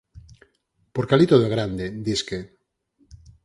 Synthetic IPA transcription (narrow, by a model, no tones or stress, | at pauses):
poɾkalit̪oðeɣ̞ɾand̪ed̪iske